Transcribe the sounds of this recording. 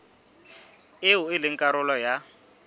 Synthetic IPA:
ɪʊɪlɪŋ̩kʼaɾʊlɔja

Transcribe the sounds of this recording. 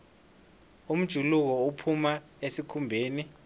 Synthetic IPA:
um̩d̥ʒ̥ʱuluk̬ɔupʰuma | esikʰumbʱeːni

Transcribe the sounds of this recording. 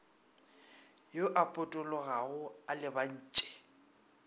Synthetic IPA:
joʔapʼʊtʼʊlɔɣaʊalɪban̩ːt͡ʃʼɛ̥

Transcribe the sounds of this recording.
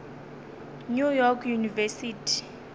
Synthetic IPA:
nujɔkʰjunivɛsitʰi̥

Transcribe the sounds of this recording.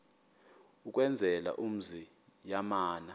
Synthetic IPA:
uk̬ʼwɛnd͡zʱɛla̰ʔum̩zi | jamaːna

